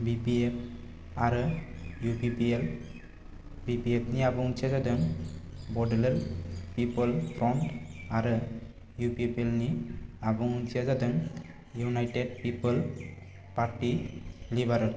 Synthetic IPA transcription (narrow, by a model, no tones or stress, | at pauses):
bipiep̚ | aɾjupipiel | bipiepʰniabuŋt͡ʃʰiad͡ʒad̪əŋbɔɖlelpipəlpʰɾɔɳʈaɾ | jupiepielniabuŋt͡ʃʰiad͡ʒad̪əŋ | junajʈeɖpipəl | paɾʈilibaɾə